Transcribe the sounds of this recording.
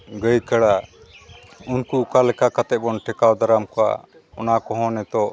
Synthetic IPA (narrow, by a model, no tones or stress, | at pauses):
ɡəjkəɽa | unkuːkalɛkakat̪ɛbɔnʈɛkawd̪aɾamkɔa̰ | ɔnakɔɦɔ̃nɛt̪ɔʔ